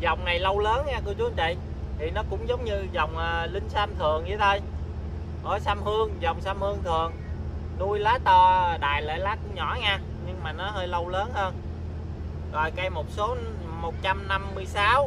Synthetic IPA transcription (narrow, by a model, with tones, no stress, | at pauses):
zɔ˨˩wŋ͡mna˨˩jlə˧wləː˨˦nŋaː˧k̪ɨ˧ət͡ɕu˨˦nt͡ɕḭ˧˨j | t̪ʰi˨˩nɔ˨˦kʊ̰˧˥ŋ͡mzə˨˦wŋ͡mɲɨ˧zɔ˨˩wŋ͡mʔəː˨˩lï˧ŋ̟saː˧mt̪ʰɨ˨˩əŋji˨˦ɗə˧j | ho˧˦jsaː˧mhɨ˧əŋzɔ˨˩wŋ͡msaː˧mhɨ˧əŋt̪ʰɨ˨˩əŋ | ɗu˧jlaː˨˦t̪ɔ˧ɗa̰ː˨jlə̰ː˧˨jlaː˦˥t̚ɲɔ˧˩ŋaː˧ | ɲɨ˧ŋmaː˨˩nɔ˨˦ɦəː˧jlə˧wləː˨˦nhəː˧n | ɣɔ̰˨˩jka˧˦jmo˨˩t̚so˨˦ | mo˨˩t̚t͡ɕa˧mna˧mːɨ˧əjsaː˨˦w